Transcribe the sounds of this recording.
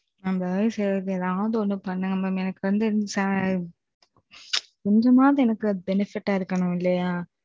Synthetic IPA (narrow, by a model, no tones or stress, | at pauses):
nɐmbɐsɐɾɛðaːðɯɔnːɯpɐɳːɯŋɡɐmɐɛnɐkːɯʋɐnd̪ɯsɐ | kɔɲd͡ʒɐmaːðiɛnɐkːɯbɛnɪfɪʈːaːɪɾɯkːɐɳʊ̃ɪlːɐjaː